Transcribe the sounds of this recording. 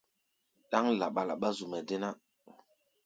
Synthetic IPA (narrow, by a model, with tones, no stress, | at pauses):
ɗa˦ŋla˨ɓa˨la̰˨ɓa˦zu˨mɛ˨de˦na˦